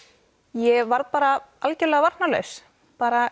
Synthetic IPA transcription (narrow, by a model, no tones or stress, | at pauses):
jɛvaɾðpaːɾaʔalcɛlɛːɣavaɾt̪nalœ̰ɥs | paːɾa